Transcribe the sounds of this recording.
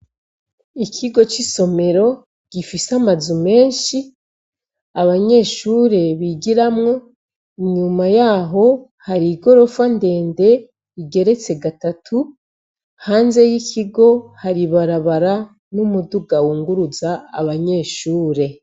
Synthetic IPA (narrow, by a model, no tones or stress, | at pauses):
ikʰiɡo̞t͡ʃiso̞me̞ɾo̞ | ɡ̥ifisamazume̞ːnʃi | aβaɲe̞ːʃuːɾe̞βiɟiɾamŋo̞ | iɲumajaːɦo̞ | haɾiɡo̞ɾo̞fande̞ːnde̞ | iɡe̞ɾe̞t͡se̞ɡatatʰu | haːnze̞jikʰiɡo̞haɾiβaɾaβaɾa | numuduɡawuːŋɡuɾuza̰ːβaɲe̞ːʃuːɾe̞